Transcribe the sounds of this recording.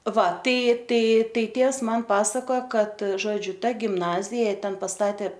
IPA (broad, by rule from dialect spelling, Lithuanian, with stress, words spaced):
ˈʋɐ ˈtɐɪ ˈtɐɪ ˈtɐɪ ˈtʲeːws mɐn ˈpɑːsɐkoːjoː ˈkɐt ˈʒoːd͡ʒʲʊ ˈtɐ ɡʲɪmˈnɑːzʲɪjɛ ˈtʲɛn pɐˈstɑːtʲeː